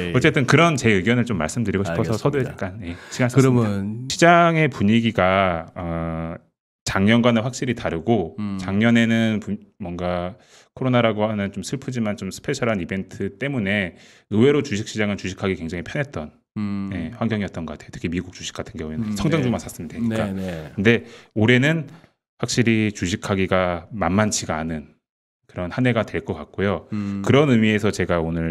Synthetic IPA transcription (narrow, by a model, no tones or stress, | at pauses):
ʌt͡ɕ͈e̞t͈ɯnkɯɾʌnt͡ɕe̞ɯɡjʌnɯɭt͡ɕomːa̰ɭs͈ɯmdɯɾiɡoɕʰipʰʌsʰʌsʰʌdoed͡ʑaɭk͈anje̞ɕʰiɡansasɾmjʌnɕʰid͡ʑaŋe̞puɲiɡiɡaʌ | t͡ɕaŋɲʌnɡwanɯnɸwak̚ɕ͈iɾitaɾɯɡot͡ɕaŋɲʌne̞nɯnpumwʌŋɡa | kʰoɾonaɾaɡoanjɯnt͡ɕomsʰɯɭpʰɯd͡ʑimant͡ɕomsʰɯ̥pʰet͡ɕʰʌɾɦanibe̞ntʰɯt͈e̞mune̞ | ɯwe̞ɾot͡ɕuɕʰik̚ɕ͈id͡ʑaŋɯnt͡ɕuɕʰi̥kʰaɡikwe̞ŋd͡ʑaŋipʰjʌnɦet̚t͈ʌn | je̞ɸwaŋɡjʌŋijʌt͈ʌnɡʌkatʰejotʰɯ̥kʰimiɡuk̚t͡ɕuɕʰi̥k͈atʰɯnɡeinsʰʌŋdʌŋd͡ʑumasʰas͈ɯmɯndeɲik͈akɯnde̞oɾe̞nɯn | ɸwak̚ɕ͈iɾit͡ɕuɕʰikʰaɡiɡamanmant͡ɕʰiɡaanɯn | kɯɾʌnhane̞ɡatwe̞ɭk͈ʌk͈ak̚k͈ojokɯɾʌnɯmie̞sʰʌt͡ɕe̞ɡaonɯɭ